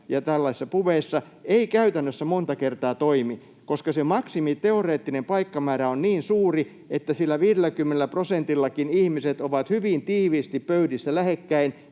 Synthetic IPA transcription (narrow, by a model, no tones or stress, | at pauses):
jɑt̪ælːɑsisːɑpuʋeisːɑeikæyt̪ænːøsːæmont̪ɑkert̪ɑːt̪oimi | koskɑsemɑksimit̪eoreːt̪ːinempɑikːɑmæːɾæonniːnsuːri | et̪ːæsilːæʋiːɾelːˑækymːenelæprosent̪ilːɑkinihmiset̪oʋɑt̪hyʋint̪iːʋiːst̪ippøydisːælæhekːæin